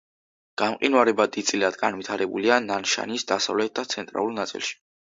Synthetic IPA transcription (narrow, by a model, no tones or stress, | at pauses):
ɡ̥amqʼinwaɾɛbad̪it̪sʼilad̪ɡanvit̪ʰaɾɛbuliananʃa̰nisd̪asavlɛt̪̚ʰd̪at̪sʰɛnt̪ʼɾa̰lˠulˠnat̪sʼḭlˠʃi̥